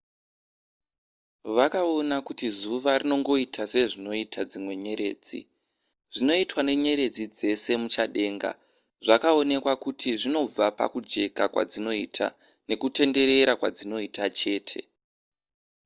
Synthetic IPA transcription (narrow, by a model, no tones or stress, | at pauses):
ʋakao̞nakutizuʋarino̞ŋɡo̞itʰase̞ʐino̞itʰad͡zimwe̞ɲe̞ɾe̞̰ːd͡zḭ | ʐ̥ino̞itwane̞ɲe̞ɾe̞d͡zid͡ze̞se̞mut͡ʃaɗe̞ːŋɡa̰ | ʐakao̞ne̞kwakutʰiʐino̞b͡vapa̰kud͡ʒe̞kakwa̰d͡zino̞itʰa̰ | ne̞kute̞nde̞ɾe̞ɾakwad͡zino̞itat͡ʃe̞ːtʰe̞̰